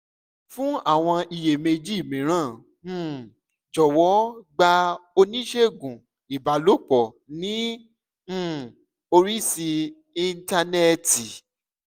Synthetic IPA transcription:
fũ˦a˦˨w̃ɔ̃˧i˨je˨me˧d͡ʒi˦˨mĩ˨ɾ̃ã˦˨˦ | d͡ʒɔ˨wɔ˨˦ɡ͡ba˧o˧nĩ˦ʃe˦˨ɡũ˨ | i˨ba˨˦lo˦˨k͡pɔ˨ | nĩ˨˦˨ | o˧ɾi˦si˧ | i˧n˦ta˧nɛ˦ti˨

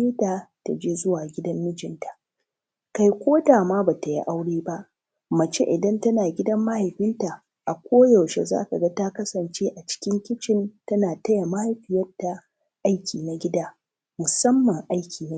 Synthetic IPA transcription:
eː˦taː˨ta˨d͡ʒeː˦zʊ˦waː˨ɡʲɪ˦dɐ˦mːɪ˦d͡ʒɪ˨˦ntḁ˨ʔ | ka˨jkʷoː˦taː˨maː˦baː˨ta˨jḭ˦ʔa˦wɽeː˦ba˦ʔ | mɐ˨t͡ʃḛ˦ʔɪ˨dɐ˦ntɐ˦naː˨ɡʲɪ˦dɐ˦mːɐ˦ha˨jɸɪ˦nta˨ | ʔa˨kʷoː˦jɐ˨wʃḛ˨za̰ː˦ka˨ɡɐ˦ta˦kɐ˦sɐ˨nt͡ʃeː˦ʔa˨t͡ʃɪ̥˦kʲɪ˦ŋkʲɪ˦t͡ʃɪ˦ntɐ˦naː˨tɐ˦ja˨ma˦ha˨jɸɪ˦jɐ˦tːa˨ | ʔa˦jkʲiː˨na˨ɡʲɪ˦daː˦ | mʊ˨sɐ˦mːɐ˨ŋʔa˦jkʲiː˨n˦

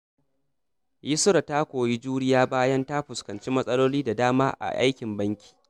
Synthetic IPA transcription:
jɪ˦sʊ˦ɾa˨taː˦kʷoː˨ji˦d͡ʒuː˦ɽɪ˦jaː˦baː˦jɐ˦nta˦ɸʊ˨skɐ˨nt͡ʃi˦mɐ˦sʼɐ˦loː˦liː˦da˨daː˦maː˦ʔa̰˨ʔa̰˦jkʲɪ˨mbɐ˦ŋkʲi̥ː˨

